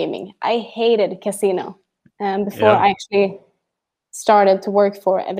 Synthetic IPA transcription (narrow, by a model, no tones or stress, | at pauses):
ɪ̃mɪ̰̃ŋʔa̰ɪheɪɾɨd̚kʰɨsinoʊ | ʌ̃bɨfɔɹa̰ɪæk̚t͡ʃl̩ˠi | stɑɹɾɨd̚tʰəwɜ˞kfə˞ɛ̰v